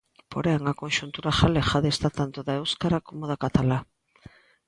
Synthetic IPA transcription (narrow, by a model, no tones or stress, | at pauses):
po̞ɾeaŋɡako̞nʃunt̪uɾaxalexaðest̪at̪ant̪oðaewskaɾako̞moðakat̪ala